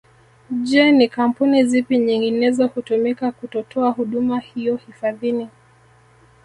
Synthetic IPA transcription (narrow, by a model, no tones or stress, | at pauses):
ʄɛnikam̩punizipiɲiŋɡinɛzɔhutumikakutɔtʰɔahuɗumahijɔhifaðini